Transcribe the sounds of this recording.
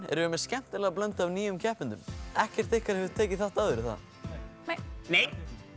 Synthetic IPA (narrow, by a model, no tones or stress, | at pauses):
ɛ̰ɾʏʏmɛscɛm̥t̪ɪlaɣap̬lœnt̪aːwniːjʏmcʰɛhpɪnt̪ʏmɛhcɛɾ̥t̪θɪhkʰaɾ̥hɛvʏ̥t̪ʰeːjcɪθaht̪awðʏɾɪθa̰ð | nej